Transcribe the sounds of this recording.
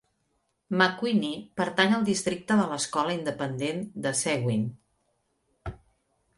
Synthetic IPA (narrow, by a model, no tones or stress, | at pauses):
məkwinipəɾt̪aɲəlˠd̪ist̪ɾik̚t̪əðələskɔləind̪əpənd̪end̪əsɛɣwin